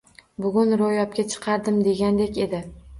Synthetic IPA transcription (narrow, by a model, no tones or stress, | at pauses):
bʊɡʲʊnɾojɒp̚kʲat͡ʃʰɨ̥qʰɑɾd̪ɪmd̪e̞ɡʲand̪e̞kʲe̞d̪ɪ